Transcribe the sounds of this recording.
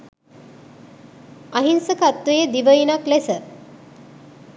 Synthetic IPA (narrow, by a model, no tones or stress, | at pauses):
aɦinsəkat̪ʋəjed̪iʋəjinaklesə